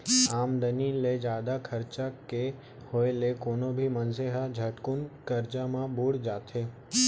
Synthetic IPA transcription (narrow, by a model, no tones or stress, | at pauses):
aːmd̪əniled͡ʒaːd̪akʰɐɾt͡ʃake | hoːelekoːnobʱimɐnseɦad͡ʒʱɐʈkʊnkɐɾt͡ʃamãbuɽd͡ʒaːt̪ʰeː